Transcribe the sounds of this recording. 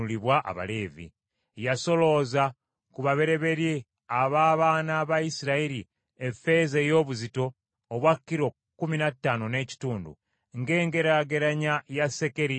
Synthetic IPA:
uliβwaʔa̰βa̰le̞ːvḭ | jaso̞lo̞ːza | kuβaβe̞ɾe̞βe̞ɾje | aβaːβaːnaːβaisiɾaiɾi | efe̞zejo̞ːβuzito̞ː | βwakːiɾo̞ | kːuminatːaːno̞ne̞ːci̥tuːndṵ | ŋɡe̞ːŋɡe̞ɾaɡe̞ɾaɲajase̞ke̞ɾi

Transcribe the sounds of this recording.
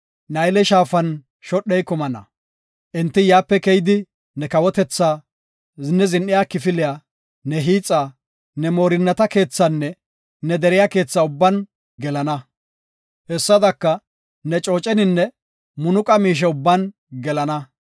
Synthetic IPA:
nɐjlɛʃaːfɐn | ʃɔɗːɛjkʊmɐnɐ̰ | ʔɛnt̪ːɪjaːpːɛkɛjɪd̪ɪ | nɛkɐwɔt̪ɛt͡sːaː | nɛzɪnːɪjaːkɪfɪlɪja | nɛɦiːt͡sʼːaː | nɛmo̞ːɾɪnːɐt̪ɐke̞ːt͡sːanːɛ | nɛd̪ɛɾɪjaːke̞ːt͡sːaːʊbːɐn | ɡɛlɐnɐ | hɛsːɐd̪ɐkːɐ | nɛt͡ʃʼo̞ːt͡ʃʼɛnɪnːɛ | mʊnʊkʼɐmiːʃ̬ɛʊbːɐn | ɡɛlɐnɐ

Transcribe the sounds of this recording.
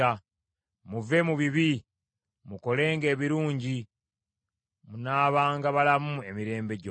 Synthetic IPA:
a | muve̞muβiβi | muko̞le̞ːŋɡe̞ːβiɾuːɲɟi | munaːβaːŋɡaβalamue̞miɾe̞ːmbe̞ɟo

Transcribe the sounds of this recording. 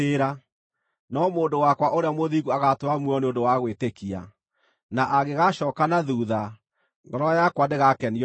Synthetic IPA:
eɾa | nɔmoːndowakwaʔoɾeamoðiɣuaɣatwamwɔneondowaɣwetekia̰ | naʔaɣeɣaʃɔːkanaðuːða | ŋɡɔɾɔjakwandeɣakɛni

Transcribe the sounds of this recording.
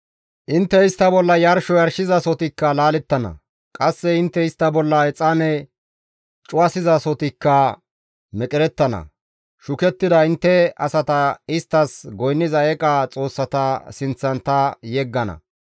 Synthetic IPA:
ʔɪnt̪ːɛɪst̪ːɐbɔlːɐjɐɾʃɔjɐɾʃɪzɐsɔt̪ɪkːɐlaːlɛt̪ːɐnɐ̰ | kʼɐsːɛɪnt̪ːɛɪst̪ːɐbɔlːɐɛt͡sʼːanɛ | t͡ʃʼʊɐsɪzɐsɔt̪ɪkːɐ | mɛkʼɪɾɛt̪ːɐnɐ̰ | ʃʊkɛt̪ːɪd̪ɐɪnt̪ːɛɐsɐt̪ɐɪst̪ːɐsɡɔjnːɪzɐɛkʼat͡sʼo̞ːsːɐt̪ɐsɪnt͡sːɐnt̪ɐjɛɡːɐnɐ̰

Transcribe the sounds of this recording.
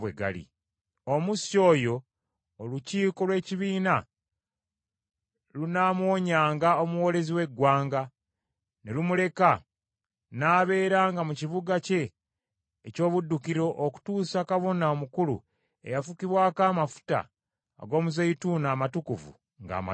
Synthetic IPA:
weɡa̰lḭ | omuso̞ːjo̞ː | luciːko̞lwe̞ːciβiːna | lunaːmwo̞ːɲaːŋɡao̞muwo̞ːle̞ziwe̞ɡwaːŋɡa | nelumule̞ka | naːβe̞ːɾaːŋɡamuciβuɡace̞ː | co̞ːβudːukiɾo̞ʔoku̥tuːsakaβo̞naomukulṵ | e̞̰jafukiβwaːkaːmafu̥ta̰ː | ɡo̞ːmuzeituːnaːmatukuvṵ | ŋɡa̰ːma̰

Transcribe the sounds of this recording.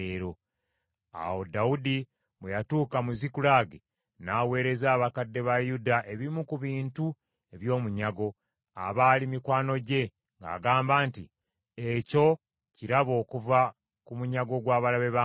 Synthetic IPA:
eɾo̞ | a̰wo̞daudi | βwejatuːkamuzikulaɡe | naːwe̞ːɾe̞zaːβakadːe̞βajudaʔe̞βimukuβiːntu | e̞βjo̞ːmuɲaɡo̞ | a̰βaːlimikwaːno̞ɟe̞ | ŋɡa̰ːɡaːmbaːnti | eco̞ | ciɾaβo̞ːkuva | kumuɲaɡo̞ɡwaːβalaβe̞βa

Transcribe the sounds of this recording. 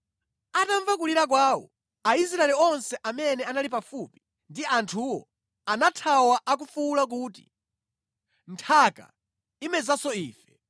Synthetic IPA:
ataɱvakuliɾak̬waːwɔ̰ | ais̬ɾaɛliɔnsɛʔamɛnɛanalipafupi̥ | ndiantʰuwɔ̰ | anatʰawaʔak̬ufuːlak̬uːti̥̰ | ntʰaka̰ | imɛzasɔiːfɛ̥

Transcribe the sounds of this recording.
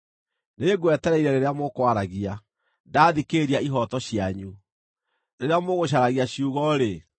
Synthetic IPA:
neeɡwɛtɛɾɛiɾɛɾeɾeamokwaɾaɣia | daːðikeɾiaiɦɔtɔɕiaɲu | neɾeamoɣoɕ̬aɾaɣiaɕiuɣɔɾe

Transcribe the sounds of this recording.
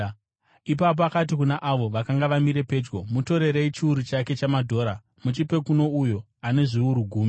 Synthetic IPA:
ip̬ap̬oakat̬ikunaʔaʋo̞ʋakaŋɡaʋamiɾe̞pe̞ːd͡ʒɡo̞muto̞ɾe̞ɾeit͡ʃiuɾut͡ʃake̞t͡ʃamadʱo̞ːɾa | mut͡ʃipe̞kuno̞ujo̞ | ane̞ʐiuɾuɡʱuːmi

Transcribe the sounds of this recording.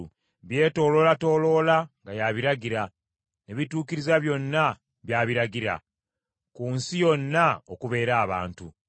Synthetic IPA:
βje̞ːto̞ːlo̞lato̞ːlo̞ːlaŋɡajaβiɾaɟiɾa | neβituːkiɾizaβjo̞nːa | βjaβiɾaɡiɾa̰ | kuːnsijo̞nːaokuβe̞ːɾaːβa̰ːntu

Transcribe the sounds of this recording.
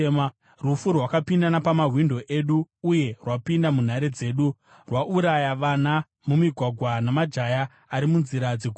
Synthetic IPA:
m | rufurwakapindanapamaɦwindʱo̞ʔe̞ɗuːje̞rwapindamun̤aɾed͡ze̞ːɗu | rwaʔuɾajaʋana | mumiɡʱwaɡʱwanamad͡ʒajaː | ɾimunziɾad͡zeku

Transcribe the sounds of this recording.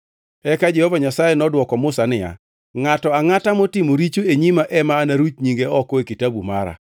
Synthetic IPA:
ɛkad͡ʒɛhɔvaɲasajenɔdwɔkɔmʊsanɪja̰ | ŋatɔaŋatamɔtimoɾit͡ʃoeɲimaʔɛmaːnaɾut͡ʃɲiŋɡeɔkɔekitabuma̰ɾa̰

